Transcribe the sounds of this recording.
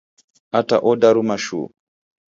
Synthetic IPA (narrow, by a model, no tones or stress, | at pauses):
ata̰ʔɔdaɾumaʃṵ